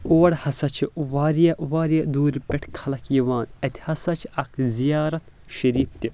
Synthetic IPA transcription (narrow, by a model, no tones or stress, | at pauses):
oːɐɽhɐsɐt͡ʃʰiʋaːɾijɐʋaːɾijɐd̪uːɾʲpʲeʈʰkʰɐlɐkjiʋaːnɐt̪ʲʰihɐsɐt͡ʃʰiɐkʰzijaːɾɐt̪ | ʃɐɾiːp̚t̪ʲi